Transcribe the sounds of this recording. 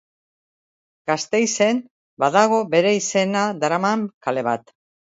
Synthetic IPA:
ɡ̥ast̪e̞jse̞n | baðaɣ̞o̞be̞ɾe̞ise̞nad̪aɾamaŋkale̞β̞at̪

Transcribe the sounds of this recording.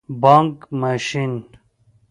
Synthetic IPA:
baŋkmaɕin

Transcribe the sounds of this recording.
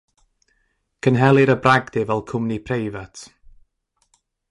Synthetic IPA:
kʰənɦɛlˠɪɾəbraɡdɪvɛlˠkʰʊmnipʰrejvatʰ

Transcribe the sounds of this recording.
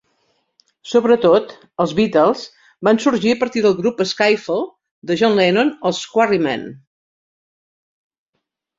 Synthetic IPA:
soβɾət̪ot̪ | əlˠzβit̪ɛlˠz | bansuɾʒiəpəɾt̪iðəlˠɣɾupəskajfol | d̪əʒɔnlɛnonoskwarimɛ̰n

